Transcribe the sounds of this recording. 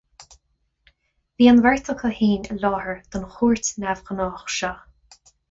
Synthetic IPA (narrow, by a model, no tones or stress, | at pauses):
viːənvɛɹt̪ʰəkʰəhiːnəlɔːhəɹd̪̥ʊnxuːɹt̪nɛvɣənɔːxʃɔ